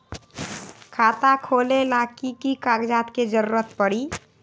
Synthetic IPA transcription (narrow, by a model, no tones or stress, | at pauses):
kʰat̪akʰolelakikikaɡd͡ʒat̪ked͡ʒəɾuɾət̪̚pəɽi